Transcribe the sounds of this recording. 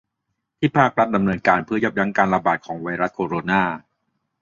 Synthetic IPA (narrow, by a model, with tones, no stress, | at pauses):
t̪ʰiː˥˩pʰaː˥˩k̚ɾa˦˥t̪̚da˧mnɤː˧nkaː˧npʰɯ˥˩ɐjo˦˥p̚ja˦˥ŋkaː˧nɾa˧baː˨˩t̪̚kʰɔː˩˦ŋwa˧jɾa˦˥t̪̚kʰoː˧ɾoː˧naː˥˩